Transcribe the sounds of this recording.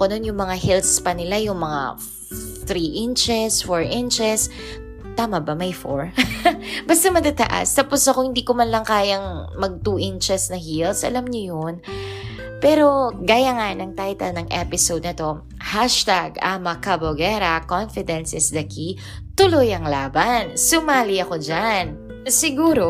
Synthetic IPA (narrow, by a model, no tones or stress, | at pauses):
kɐnonjʊŋmɐŋahilspɐnɪlajʊŋmɐŋa̰ | t̪ɾiːʔɪnt͡ʃɛsfoɹʔɪnt͡ʃɛs | t̪aːmɐbɐmɐjfo̰ɹ | bɐst̪ɐmɐt̪at̪ɐ̰ʔa̰st̪aːposɐkohɪnd̪iːkʊmɐnlɐŋkaːjɐŋmɐɡ̚t̪uːʔɪnt͡ʃɛsnɐhilsʔɐ̰lamɲojon | pɛːɾo̞ɡaːjaŋanɐŋt̪ajt̪ɐlnɐŋʔɛpɪsowd̪nɐt̪o̞ | haʃt̪aɡɐmɐkɐboɡɛɾɐkonfɪd̪ɛnsɛsd̪ɐki | t̪ʊlojɐŋlaːbansʊmaːliɐko̞d͡ʒan | sɪɡuːɾo